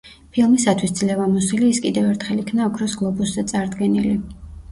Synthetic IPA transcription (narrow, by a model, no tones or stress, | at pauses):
pʰilˠmisat̪ʰwisd̪zlɛvamɔsuliːskʼid̪ɛvɛɾt̪ʰχɛlikʰnaɔkʰɾɔsɡlˠɔbuszat̪sʼaɾd̪ɡɛnili